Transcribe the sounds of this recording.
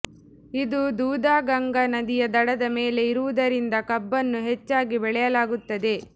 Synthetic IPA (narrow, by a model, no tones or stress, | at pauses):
id̪ud̪uːd̪aːɡɐŋɡɐnɐd̪ijɐd̪ɐɽɐd̪ɐme̞ːle̞iɾuʋud̪ɐɾind̪ɐkɐbːɐnːuɦet͡ʃːaːɡibɛɭɛjɐlaːɡut̪ːɐd̪e̞